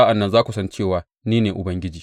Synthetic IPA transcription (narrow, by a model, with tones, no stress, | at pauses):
ʔa˨nːɐ˦nzaː˦kʷu˨sɐ˦nt͡ʃeː˦˨waː˨ | niː˦neː˨ʔʊ˨bɐ˦ŋɡʲɪ˦d͡ʒiː˨